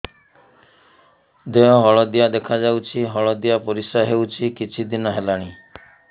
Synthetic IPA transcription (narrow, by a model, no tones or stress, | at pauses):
d̪eɔɦɔɭɔd̪ijad̪ekʰad͡ʒawt͡ʃʰiɦɔɭɔd̪ijapɔɾisaɦewt͡ʃʰikit͡ʃʰid̪inɔɦelaɽ̃i